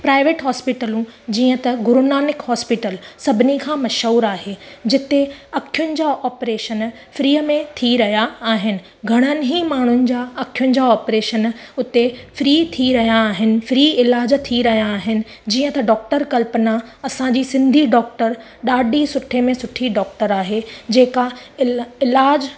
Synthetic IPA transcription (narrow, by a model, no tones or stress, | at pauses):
pɾaːɪʋeːʈɦɔːspɪʈəlũd͡ʑiːə̃t̪ɐɡʊɾʊnaːnɪkɦɔːspɪʈəlsɐbʱɪnikʰãːmɐʃɦuːɾaːɦed͡ʑɪt̪eɐkʰijʊnɪ̆d͡ʑaʔɔːpɾeːʃən | fɾiːəmẽt̪ʰiɾɐɦijaːɦɪnɪ̆ | ɡʱɐɽ̃ənɪ̆ɦimaːɳ̤ʊnɪ̆d͡ʑaːɐkʰijʊnɪ̆d͡ʑaɔːpɾeːʃənʊt̪efɾiːt̪ʰiɾɐɦijaːɦɪnɪ̆fɾiːɪlaːd͡ʑt̪ʰiɾɐɦijaːɦɪnɪ̆ | d͡ʑiːə̃t̪ɐɖɔːk̚ʈəɾkɐlpnaɐsãd͡ʑiːsɪ̃nd̪ʱiɖɔːk̚ʈəɾ | ɗaːɗisʊʈʰemẽsʊʈʰiɖɔːk̚ʈəɾaːɦed͡ʑeːkaɪɪlaːd͡ʑ